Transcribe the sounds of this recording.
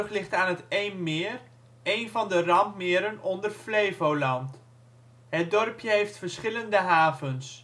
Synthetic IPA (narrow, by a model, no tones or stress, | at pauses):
χlɪχtaːnətejnmɪːər | ejnvɑndərɑmpmɪːɾənɔndərflejvowlɑnt | ɦət̚dɔrpjəɦejftfəɹsχɪləndəɦaːvəns